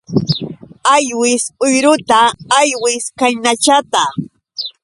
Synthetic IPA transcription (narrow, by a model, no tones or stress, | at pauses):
ajwɪsʊjɾʊt̪aːjwɪskajnat͡ʃat̪a